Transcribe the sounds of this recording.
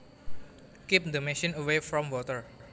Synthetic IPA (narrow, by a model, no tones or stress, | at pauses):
kip̚d̪oneʃɔ̃nəwefɾɔ̃mwɔt̪əɹ